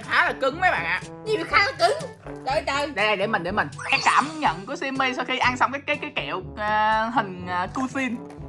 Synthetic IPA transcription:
xaː˨˦laː˨˩kɨ˨˦ŋvəː˨˦jɓa̰ː˧˨nʔa̰ː˧˨ | ɲi˨˩wxaː˨˦lkɨ˨˦ŋ | ɗə˧˩jɗə˧jɗe˧˩˧jɗe˧˩mï˨˩ŋ̟ɗe˧˩mï˨˩ŋ̟ɛ˨˦˥kaː˧˩mɲə̰˧˨nku˨˦si˧mːi˧sɔː˧xi˧ʔa˧nsɔ˧wŋ͡mkaː˨˦jkaː˨˦jkaː˨˦jkɛ̰˧˨əwː | ɦï˨˩ŋ̟əː˨˩ku˧si˧n

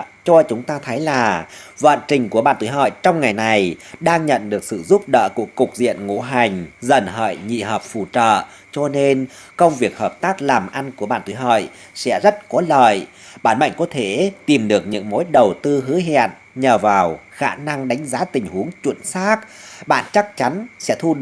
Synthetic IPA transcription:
t͡ɕɔ˧t͡ɕʊ˨˦ŋ͡mt̪aː˧t̪ʰə˨˦jlaː˨˩və̰ː˧˨nt͡ɕï˨˩ŋ̟ku˧˩əɓa̰ː˧˨nt̪u˧˦jɦə̰ː˧˨jt͡ɕɔ˧wŋ͡mŋa˨˩jna˨˩jɗaː˧ŋɲə̰˧˨nɗɨ˨˩ək̚sɨ̰˧˨zu˦˥p̚ɗə̰ː˧˨ku˧˩əkːʊ˨˩k̚zḭ˧˨ənŋṵ˧˥ɦa˨˩jŋ̟zə˨˩nɦə̰ː˧˨jɲḭ˧˨ɦəː˨˩p̚fu˧˩t͡ɕə̰ː˧˨ | t͡ɕɔ˧ne˧n | kə˧wŋ͡mvi˨˩ək̚həː˨˩p̚t̪aː˦˥k̚laː˨˩mʔa˧nku˧˩əɓa̰ː˧˨nt̪wu˧˨˦jɦə̰ː˧˨j | sɛ̰˧˥zə˦˥t̚kɔ˨˦lə̰ː˧˨j | ɓaː˧˩nma̰˧˨ŋ̟ko˨˦t̪ʰe˧˩t̪i˨˩mɗɨ˨˩ək̚ɲɨ̰˧˥ŋmo˨˦jɗə˨˩wt̪ɨ˧ɦɨ˨˦ɦɛ̰˧˨ən | ɲəː˨˩vaː˨˩wxaː˧˩na˧ŋɗa˨˦jŋ̟zaː˨˦t̪ï˨˩ŋ̟hu˨˦əŋt͡ɕwə˧˨nsaː˦˥k̚ɓa̰ː˧˨nt͡ɕa˦˥k̚t͡ɕa˨˦nsɛ̰˧˥t̪ʰu˧

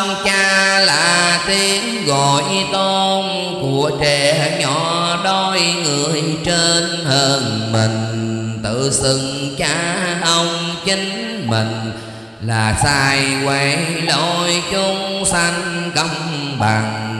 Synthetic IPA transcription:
ŋ͡mt͡ɕaː˧laː˧˨˩t̪i˧˦əŋɣɔ˧˨˩jɲɨ˧t̪o˧n | ku˧˩ət͡ɕe˧˨˩a˧ɲɔ˧˨˦ɗo˧˩jŋɨ˨˩əjjt͡ɕe˧nhəː˧nmi˨˩ŋ̟t̪ɨ̰˧˨sɨ˧˨ŋt͡ɕaː˧˦ʔə˧wŋ͡mt͡ɕi˧ŋ | mï˨˩ŋ̟ | laː˨˩saː˧jkwa˧˨˩lo˧˨˩jt͡ɕʊ˧ŋ͡msa˧ŋkə˧˩wŋ͡mɓa˨˩ŋ

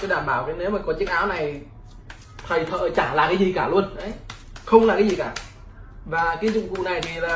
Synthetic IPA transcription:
aː˨˦ɗaː˧˩mɓaː˧˩wkə˨˦ne˨˦wmaː˨˩kɔ˨˦t͡ɕɨ˦˥ŋ̚ʔaː˨˦wna˨˩j | t̪ʰə˨˩jt̪ʰə̰ː˧˨t͡ɕaː˧˩la̰ː˨kaː˨˦jzi˨˩kaː˧˩lu˧ənʔə˨˦j | xə˧wŋ͡mlaː˨˩kaː˨˦zi˨˩kaː˧˩ | vaː˨˩˨kaː˨˦zʊ̰˧˨ŋ͡mkṵ˧˨na˨˩jt̪ʰi˨˩laː˨˩

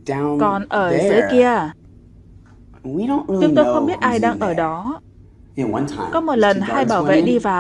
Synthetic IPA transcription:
kɔ˨˩nʔəː˧˩zɨ˨˦jki˧ə | t͡ɕʊ˨˦ŋ͡mt̪o˧jxə˧wŋ͡mɓi˦˥ət̚ʔaː˧jɗaː˧ŋʔəː˧˩ɗɔ˨˦ | i˧˩kwa˨˦nʰa̰˧˨kɔ˨˦mo˨˩t̚lə˨˩nhaː˧jɓaː˧˩vḛ˧˨ɗi˧vaː˨˩

